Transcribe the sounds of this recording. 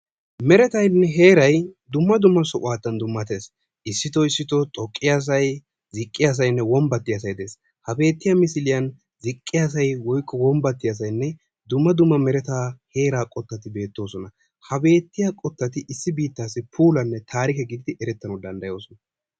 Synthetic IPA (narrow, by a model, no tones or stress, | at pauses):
mɛɾɛt̪ɐjnːɛɦe̞ːɾɐjd̪ʊmːɐd̪ʊmːɐsɔʔʊwaːt̪ːɐnd̪ʊmːɐt̪e̞ːs | ʔɪsːɪt̪ɔɪsːɪt̪ɔt̪ʼɔkʼːɪjas̬ɐj | zɪkʼːɪjaːs̬ɐjnːɛwɔmbɐt̪ːɪɐsɐjd̪e̞ːs | hɐbe̞ːt̪ːɪjamɪsɪlɪjɐn | zɪkʼːɪjaːs̬ɐjwɔjkːɔwɔmbɐt̪ːɪjɐs̬ɐjnːɛ | d̪ʊmːɐd̪ʊmːɐmɛɾɛt̪aːhe̞ːɾaːkʼɔt̪ːɐt̪ɪbe̞ːt̪ːo̞ːsɔnɐ | hɐbe̞ːt̪ːɪjakʼɔt̪ːɐt̪ɪʔɪsːɪbiːt̪ːaːsːɪpʰuːlɐnːɛt̪ʰaːɾɪkɛɡɪd̪ɪd̪ɪʔɛɾɛt̪ːɐnɔd̪ɐnd̪ɐjo̞ːsɔnɐ